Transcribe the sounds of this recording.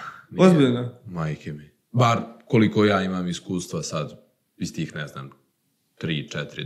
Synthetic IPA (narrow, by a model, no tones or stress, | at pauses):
nozbiʎnomajkʲʰemi | baɾkolikojaːimaːmiskuːst̪ʋasad̪ | ist̪iːxnɛzna̰ːm | t̪ɾiːt͡ʂɛt̪ɾi